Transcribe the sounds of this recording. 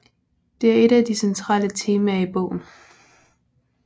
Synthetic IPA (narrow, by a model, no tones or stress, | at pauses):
d̥e̝æɐe̝ɾ̥æd̥isent͡sʰʁɑ̰̈ːlət͡sʰe̝ːmæib̥ɔ̰ʊ̰n̩